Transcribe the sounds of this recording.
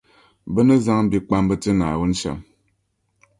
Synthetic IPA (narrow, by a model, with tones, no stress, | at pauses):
bə˦nə˦za˦ŋ̩˦bi˦k͡pa˦mbə˦tɨ˦na̰ː˨wu˦n̩˦ʃa̰˨m